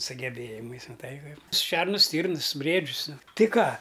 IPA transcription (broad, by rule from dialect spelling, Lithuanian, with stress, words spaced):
sʊɡʲɛˈbʲeːjɪmɐɪs mɐˈtɐɪ ˈkɐɪp ˈʃʲɛrnʊs ˈsʲtʲiːrnɨs ˈbʲrʲiɛd͡ʒʲʊs ˈnʊ ˈtɨ ˈkɑː